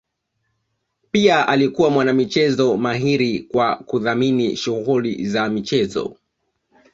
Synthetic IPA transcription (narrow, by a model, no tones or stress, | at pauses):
piaʔalikuwamwanamit͡ʃɛzɔmaɦiɾikwakuðaminiʃuɣulḭzamit͡ʃɛzɔ̰